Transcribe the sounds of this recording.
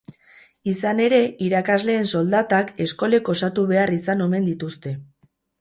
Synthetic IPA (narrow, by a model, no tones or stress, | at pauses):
isane̞ɾe̞iɾakazle̞ːnso̞ld̪at̪ake̞sko̞le̞ko̞sat̪uβe̞arisano̞me̞nd̪it̪ust̪e̞